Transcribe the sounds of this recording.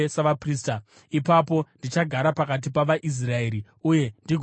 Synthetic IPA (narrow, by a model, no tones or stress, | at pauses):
saʋapriːsta | ipapo̞ndit͡ʃaɡʱaɾapakat̬ipaʋaʔis̬rae̞ːɾi | uje̞ndiɡʱ